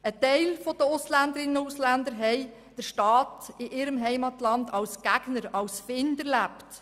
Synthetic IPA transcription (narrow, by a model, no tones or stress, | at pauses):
ətɛɪlfod̥əʊslænd̪əɾɪnənʊʊslænd̪əɾɦɛɪ | d̥əɾʃtɑːtɪʔɪɾəmɦɛɪmɑtlɑndɑlsɡ̥æɡ̥nəɾɑlsfɪndəɾlæpt